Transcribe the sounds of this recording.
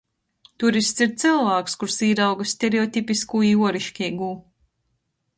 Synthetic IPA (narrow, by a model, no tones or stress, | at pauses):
t̪uɾist̪siɾt̪silˠvæːkskuɾsiːɾawɡasːʲt̪ʲeɾeɔt̪ʲipiskuːjuɔɾiʃkʲɛɡuː